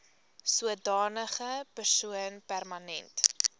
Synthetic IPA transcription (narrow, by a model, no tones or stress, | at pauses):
suədɑːnəχəpərsuənpærmɐnɛnt